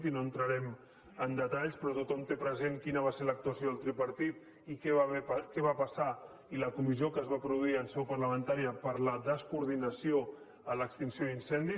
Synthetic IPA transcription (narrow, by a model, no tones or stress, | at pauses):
t̪inoənt̪ɾəɾɛm | ənd̪ət̪aʎspɾɔt̪ut̪ɔmt̪epɾəzeŋkinəβ̞aseɾlək̚t̪uəsjoðəlˠt̪ɾipəɾt̪it̪ | ikɛkɛβapəsa | iləkumiziokəːzβapɾuðuiənsɛwpəɾləmənt̪aɾiəpəɾləðəskuɾð̞inəsio | ələkst̪insijoinsɛnd̪i